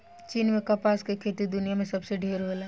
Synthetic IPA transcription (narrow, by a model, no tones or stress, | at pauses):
t͡ʃiːnmẽkɐpaːskekʰeːt̪id̪ʊnijamẽsɐbseɖʱeːɾɦoːlaː